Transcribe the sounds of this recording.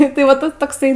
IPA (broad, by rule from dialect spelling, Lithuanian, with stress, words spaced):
tɐɪ ʋɐ ˈtɐs toːkˈsɐɪ